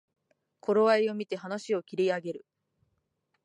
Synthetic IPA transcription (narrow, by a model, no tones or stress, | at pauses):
kʰo̞ɾo̞βaio̞mʲit̪e̞ɦanaɕio̞kʲiɾʲiaɡe̞ɾɯ̟